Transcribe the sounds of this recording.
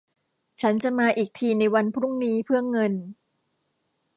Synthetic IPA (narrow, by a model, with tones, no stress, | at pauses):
t͡ɕʰa˦˥nt͡ɕa˨˩maː˧ʔiː˨˩k̚t̪ʰiː˧na˧jwa˧npʰɾu˥˩ŋniː˦˥pʰɯ˥˩əŋɤ˧n